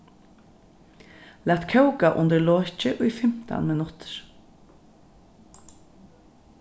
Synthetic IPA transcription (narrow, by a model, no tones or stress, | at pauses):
læːt̪kʰœwkaʔʊnt̪əɾlɔːt͡ʃɪʔʊjfɪm̥t̪a̰nmɪnʊt̪ɹ̥